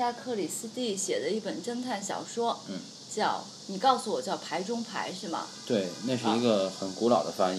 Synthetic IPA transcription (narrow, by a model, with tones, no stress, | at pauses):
ja˥kʰɤ˥˩li˨˩sɹ̩˥t̪i˥˩ɕjɛ˨˩d̪ə˦i˥˩pə˨˩nʈ͡ʂə˥ŋt̪ʰa˥˩nɕjɑ̰˨˩ʊʂwɔ˥˩ | t͡ɕjɑ˥˩ʊ | ni˨˩kɑ˥˩ʊsu˨˩wɔ˨˩t͡ɕjɑ˥˩ʊpʰa˧˥ɪʈ͡ʂʊ˥ŋpʰa̰˧˥ɪʂɻ̩˥˩mɐ̰˩t̪we˥˩ɪna˥˧ʂɻ̩˥˩i˧˥ɡə˧xə˨˩nku˧˥lɑ˨˩ʊd̪ə˦fa˥ŋ˨